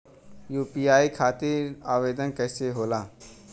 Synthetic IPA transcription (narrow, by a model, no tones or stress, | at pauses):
juːpiːaːikʰaːt̪iːɾaːʋeːd̪ənkəɪseɦoːlaː